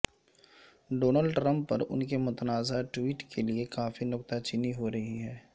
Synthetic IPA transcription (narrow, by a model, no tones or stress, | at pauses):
ɖoːnəlɖʈɾɐ̃mpːɐɾʊ̰nkemʊt̪naːzaʈwiːʈkʰeliekaːfinʊkt̪at͡ʃɪniɦoɾɐɦiɦɛː